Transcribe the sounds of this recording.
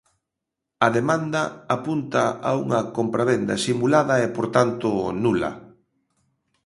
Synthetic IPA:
ɐðemãnd̪ɐapunt̪aʔa̰uŋɐkompɾaβend̪ɐ̰simulaðɐɛpoɾt̪ant̪ʊnulɐ̰

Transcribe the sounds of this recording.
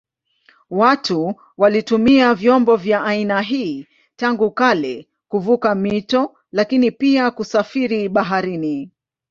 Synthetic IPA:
watu | walitumiavjɔmbɔvjaainaɦiː | taŋɡukalɛ | kuvukamitɔ | lakinipiakusafiɾiɓaɦaɾini

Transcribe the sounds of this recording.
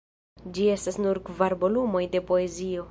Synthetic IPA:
d͡ʒie̞stasnuɾkvaɾbo̞lumo̞jde̞po̞e̞zio̞

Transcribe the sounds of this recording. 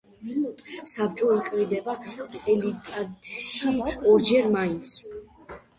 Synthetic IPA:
sab̚t͡ʃʼɔikʼmid̪ɛbat̪sʼɛlit̪ʼad̪ʃiɔɾd͡ʒɛɾmaint̪s

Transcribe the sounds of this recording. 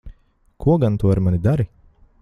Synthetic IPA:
kʰuɔɡant̪uɔaɾmanid̪aɾi

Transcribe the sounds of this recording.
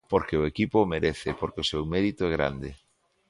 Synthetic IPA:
poɾkeoekipomeɾeθepoɾkeosewmeɾit̪oɛɣ̞ɾa̰nd̪ḛ

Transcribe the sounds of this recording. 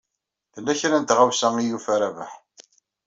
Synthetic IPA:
ðəlːæçɾænt̪ʁawsæŋijufæɾævə̰ħ

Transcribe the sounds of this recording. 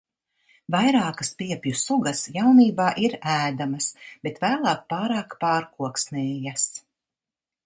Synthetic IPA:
vajɾaːkɐspiɛpjusuɡɐsjawniːbaːʔiɾæːd̪amɐsb̥et̪væːlˠɑːk̚pɑːɾaːkpɑːɾkuɔksnɛːjas

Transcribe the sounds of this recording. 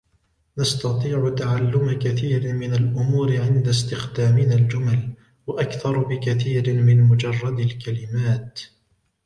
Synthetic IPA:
nast̪ɑt̪ˤiːʕʊt̪aʕalːʊmakaθiːɾɪmɪnalʔʊmuːɾɪʕɪnd̪ast̪ɪxd̪aːmɪnald͡ʒʊmal | waʔakθɑɾˤbɪkaθiːɾɪmɪnmʊd͡ʒɑrˤːɑd̪alkalɪmaːt̪

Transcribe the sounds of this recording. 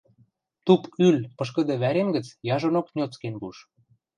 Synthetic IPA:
t̪upylpɤʃ̬kə̆d̪ĕβæɾemɡə̆t͡sjɑʒonoknʲot͡skenbuʃ

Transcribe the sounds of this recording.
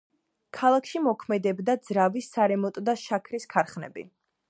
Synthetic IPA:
kʰalˠakʰʃimɔkʰmɛd̪ɛbd̪ad̪z̥ɾavisːaɾɛmɔt̪ʼd̪aʃakʰɾiskʰaɾχnɛ̰bḭ

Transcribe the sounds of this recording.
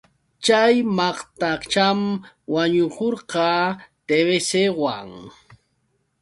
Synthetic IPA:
t͡ʃajmɑχt̪at͡ʃam | waɲʊkoɾqɑːt̪eβesewa̰ŋ

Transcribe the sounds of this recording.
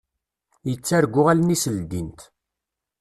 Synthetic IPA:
jət͡sːæɾɡʷːʊʁalnisəld̪int̪

